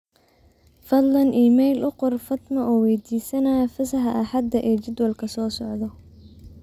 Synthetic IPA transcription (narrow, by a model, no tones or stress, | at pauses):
fɐd̪lɐnʔiːmɛjlʔʊqɔrfɐd̪mɐʔɔːwɛjd̪iːsɐnafɐsɐħɐʔɐħɐd̪ɐʔɛːt͡ʃɪd̪wɐlkʰɐsɔːsɔʕd̪ɔ